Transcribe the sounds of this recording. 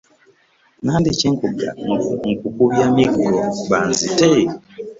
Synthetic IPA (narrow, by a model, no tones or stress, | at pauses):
nandeceŋkuɡa̰ŋkukuβjamikɡobanzite